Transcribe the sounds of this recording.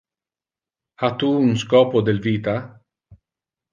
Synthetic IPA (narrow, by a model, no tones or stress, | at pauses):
at̪uunskɔːpod̪elviːt̪a